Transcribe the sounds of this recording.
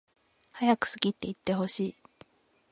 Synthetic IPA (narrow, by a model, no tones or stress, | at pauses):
hajakɯ̟̥sɨɡʲit̪ːe̞it̪ːe̞ho̞ɕiː